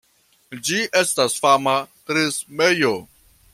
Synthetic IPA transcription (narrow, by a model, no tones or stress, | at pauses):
d͡ʒiʔe̞stasfamatɾismejo